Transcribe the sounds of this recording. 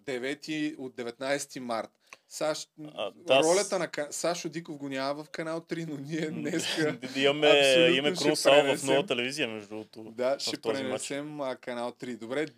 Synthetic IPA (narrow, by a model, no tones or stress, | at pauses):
d̪ɛvɛt̪iod̪̚d̪ɛvɛt̪najsɛ̥t̪imaɾt̪ | saʃ | aɾɔlʲɐt̪ənɐkɐsaʃʊd̪ikofɡonʲjamɐvɐfkɐnalˠt̪ɾinoniɛnɛskɐimɐmɛasoimɐmɛʃkɾuɛpsanvɐsfnɔvɐt̪ɛlɛviziəmɛʒd̪ut̪d̪aʃɛt̪ɾɾɛnɛsɛməkɐnalˠt̪ɾid̪obɾɛ